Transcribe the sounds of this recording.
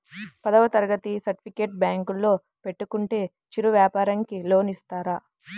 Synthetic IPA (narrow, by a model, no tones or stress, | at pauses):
pɐd̪ɐʋɐt̪ɐɾɡɐt̪isɐɾʈi̥pʰikeːʈ̚bjaːŋkulːo̞ː | pe̞ʈːukuɳʈe̞ː | t͡ʃiɾuʋjaːpaːɾɐŋkilo̞ːnist̪aːɾaː